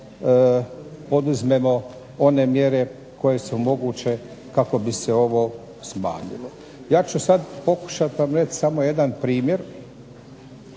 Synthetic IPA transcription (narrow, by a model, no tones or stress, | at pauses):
po̞d̪uzme̞mo̞ | o̞ne̞mje̞ɾe̞ | ko̞je̞sumo̞ɡuːt͡ʃe̞ | kako̞biseo̞ʋo | sma̰ːɲḭlo | jaːt͡ɕusad̪po̞ku̥ʃat̪ʋamɾet͡ʃsamo̞je̞d̪anpɾiːmje̞ɾ